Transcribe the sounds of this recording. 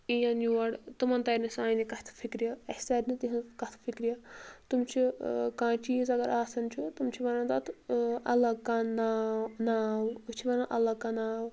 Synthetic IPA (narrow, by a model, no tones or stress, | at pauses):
ijãnjuɐɽt̪umɐnt̪ɐɾnisãːjnikɐht̪ʰfʰikɾijɐɐ̥saːɾnit̪iɦɐkɐt̪ʰfʰikɾijɐt̪umt͡ʃʰikãːt͡ʃʰiːzɐɡɐɾʔaːsɐnt͡ʃʰut̪umt͡ʃʰiʋɐnɐ̃nt̪ɐt̪ɐ̰lːɐkananaːwt͡ʃʰiʋɐnãʔɐ̰lːɐkanaːw